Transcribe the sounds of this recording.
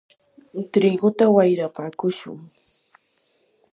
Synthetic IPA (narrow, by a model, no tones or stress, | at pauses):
ɪnt̪ɾɪɡʊt̪awajɾapaːkʊʃʊ̰ŋ